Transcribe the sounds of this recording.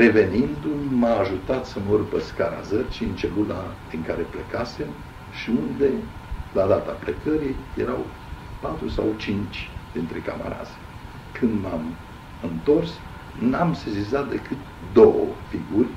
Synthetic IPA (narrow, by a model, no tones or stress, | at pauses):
re̞ve̞nind̪ummaːʒut̪at̪səmurpəskaɾa̰zərt͡ʃiɨnt͡ʃelunad̪iŋkaɾe̞plekase̞m | ʃiund̪e̞ | lad̪at̪aplekəɾijjeɾaw | pat̪ɾusa̰wt͡ʃint͡ʃʲd̪̥int̪ɾe̞ka̰ma̰ɾa̰t̪sʲ | kʰɨnd̪mam | ɨnt̪o̞rs | namsezizat̪̚d̪e̞kɨt̪ | d̪o̞wə̰fiɡurʲ